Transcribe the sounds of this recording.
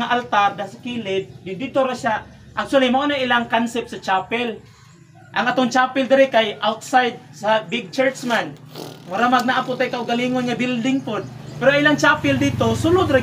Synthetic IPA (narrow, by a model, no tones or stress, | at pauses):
aʔalt̪ard̪asakiːlɪt̪̚dɪd̪ɪt̪oɾaʃa | ʔak̚t͡ʃʊalimaʔonaʔɪlaŋkansɛp̚sɐt͡ʃaːpɛl | ʔaŋat̪oŋt͡ʃaːpɪld̪ɪɾɪkajʔawt̪̚sajd̪̚sabɪɡ̚t͡ʃɛɹt͡ʃmanmaɾamaɡ̚naʔapʊt̪ajkaʔʊɡaliŋonŋabild̪ɪŋpod̪̚pɛɾoʔaŋʔɪlaŋt͡ʃaːpɛld̪it̪osʊlʊd̪ɾa